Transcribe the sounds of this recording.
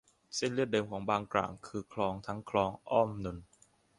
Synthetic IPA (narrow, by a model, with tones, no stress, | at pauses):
se˥˩nlɯ˥˩t̚dɤː˧mkʰɔː˩˦ŋbaː˧ŋkla̰ː˨˩ŋkʰɯː˧kʰlɔː˧ŋt̪ʰa˦˥ŋkʰlɔː˧ŋʔɔ˥˩mnu˧n